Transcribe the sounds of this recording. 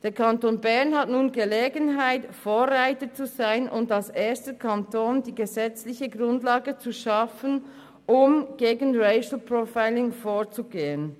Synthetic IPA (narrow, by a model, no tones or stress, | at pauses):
d̥eːkʰantoːnbɛɐnhatnuːnɡəleːɡənɦaɪtfoːʁaɪtət͡suzaɪnʔʊntalseːstəkʰantʰoːndiːɡəzɛt͡slɪçəɡʁʊndlaːɡət͡suʃɑfən | ʔʊmɡ̥eːɡənʁeɪʃl̩pʁofaɪlɪŋfoːt͡suɡeːən